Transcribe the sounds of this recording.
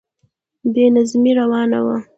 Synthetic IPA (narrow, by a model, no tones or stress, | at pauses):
d̪enazmiɾawɑna̰wa